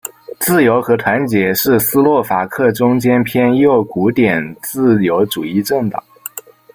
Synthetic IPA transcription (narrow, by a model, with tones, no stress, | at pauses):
t͡sɹ̩˥˩jo˧˥ʊxɤ˧˥t̪ʰwa˧˥nt͡ɕjɛ˧˥ʂɻ̩˥˩sɹ̩˥lwɔ˥˩fa˨˩kʰɤ˥˩ʈ͡ʂʊ˥ŋt͡ɕjɛ˥npʰjɛ˥njo˥˩ʊku˧˥t̪jɛ˨˩nt͡sɹ̩˥˩jo˧˥ʊʈ͡ʂu˨˩i˥˧ʈ͡ʂə˥˩ŋt̪ɑ̰˨˩˦ŋ